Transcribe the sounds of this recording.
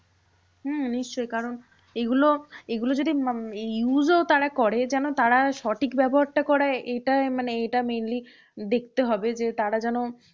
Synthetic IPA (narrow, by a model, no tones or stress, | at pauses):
ɦ̩niʃt͡ɕojkaɾon | eɡuloeɡulod͡ʑod̪ijuzoot̪aɽakɔɽed͡ʑɛnot̪aɽaʃɔʈʰikbɛboɦaɾʈakɔɾaeʔejʈamaneejʈamenli | d̪ek̚ʰt̪eɦɔbed͡ʑet̪aɽad͡ʑɛno